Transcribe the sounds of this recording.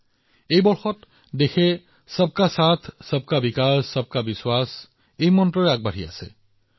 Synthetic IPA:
ejbɔɹxɔt | dexʰɛ | səb̚kasat̪ʰsəb̚kabikasːɔb̚kabiswas | ejmɔntɹɔɹɛaɡ̚baɹ̤ia̰sɛ̰

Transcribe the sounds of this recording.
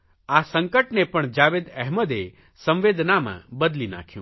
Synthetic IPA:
asəŋkəʈnepəɳd͡ʒaʋed̪ɛɦməd̪e | sə̃mʋed̪namã̰bəd̪lina̰kʰjṵ̃ː

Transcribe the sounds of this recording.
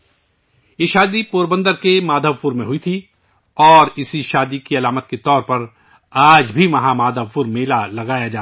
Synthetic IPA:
jeʃaːd̪ipoːɾbə̃nd̪əɾkemaːd̪ʱəʋpʊɾmẽɦʊit̪ʰi | ɔːɾɪsiʃaːd̪ikiɐlaːmət̪ket̪ɔːɾpɐɾ | aːd͡ʒbʱiʋɐɦãmaːd̪ʱəʋfʊɾmeːlalɐɡaːjad͡ʒaː

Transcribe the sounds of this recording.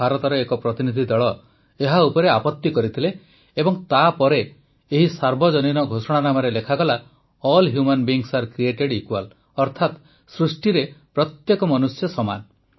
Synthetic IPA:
aɾɔt̪ɔɾɔekɔpɾɔt̪inid̪ʱid̪ɔɭɔ | eɦaupɔɾeapɔt̪ːikɔɾit̪ʰileː | bɔŋt̪apɔɾe | eɦisaɾbɔd͡ʒɔninɔɡʱosɔɽ̃anamɔɾelekʰaɡɔla | ɔlɦjumanbiːŋsaɾkɾieʈeɽikual | ɔɾt̪ʰat̪ | sɾusʈiɾepɾɔt̪jekɔmɔnusjɔsɔma̰n

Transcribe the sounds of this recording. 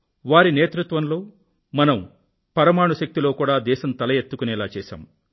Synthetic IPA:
ʋaːɾineːt̪ɾut̪ʋɐnlo̞ː | mɐnɐm | pɐɾɐmaːɳuʃɐk̚t̪ilo̞ːkuːɽaːd̪ɛːʃɐnt̪ɐlɐjet̪ːukunɛːlaːt͡ʃɛːʃa̰ːm

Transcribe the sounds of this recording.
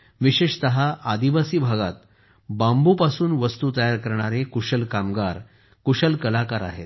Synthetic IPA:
ʋiɕeʂt̪əɦaʔad̪iʋasiːbʱaɡa̰t̪̚ | bambupasuːnʋəst̪uːt̪əjaɾkəɾɳ̃aɾekuʂəlkamɡaɾ | kuʂəlkəlakaɾa̰ɦḛt̪̚

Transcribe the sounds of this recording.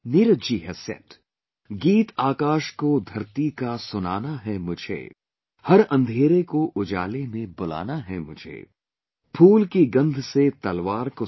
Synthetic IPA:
niɾd͡ʒiːɦɐsjɐ̰̃t̪ | ɡiːt̪aːkaːʃkod̪ʱɐɾt̪ikasʊnaːnaɦɛmʊd͡ʒʱḛ | hɐɾɐ̃nd̪ʱeːɾekoʔʊd͡ʒa̰ːlemẽbʊla̰ːnaɦɛ̰mʊd͡ʒʱḛː | pʰuːlkiɡɐ̃nd̪ʱset̪ɐlʋaːɾko

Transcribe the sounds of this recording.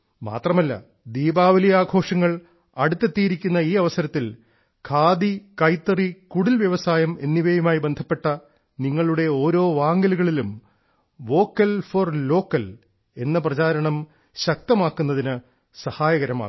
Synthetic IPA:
ma̰ːt̪rɐmɐlːɐ̰ | d̪iːbaːʋɐlijaːɡʱo̞ːʂɐŋːɐɭ | ɐɽut̪ːet̪ːijiɾikʲːunːɐiːɐʋɐsɐɾɐt̪ːil | kʰaːd̪ikɐjt̪ːɐrikuɽilʋjɐʋɐsaːjɐme̞nːiʋɐjumaːjibe̞nd̪ʱɐpːe̞ʈːɐ | niŋːɐɭuɽe̞o̞ːɾo̞ːʋaːŋɡɐluɣɐɭilum | ʋo̞ːkːɐlforlo̞ːkːɐl | e̞nːɐp̬rɐt͡ɕaːɾɐɳɐm | ɕɐk̚t̪ɐmaːkːunːɐðinɨ | sɐhaːjɐɣɐɾɐma̰ː

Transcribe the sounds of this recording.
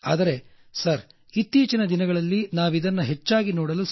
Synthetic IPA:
a̰ːd̪ɐɾe̞ | sɐɾ | it̪ːiːt͡ʃinɐd̪inɐɡɐɭɐlːinaːʋid̪ɐnːɐɦe̞t͡ʃːaːɡinɔːɽɐlus

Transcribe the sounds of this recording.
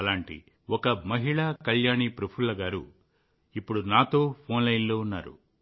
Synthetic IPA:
ɐlaːɳʈḭ | ɔkɐmɐɦiɭaːkɐljaːɳiːpɾɐpʰuɭːɐɡaːɾṵ | ipːuɽunaːt̪oːpʰo̞ːnlɐjinlo̞ːunːa̰ːɾṵ

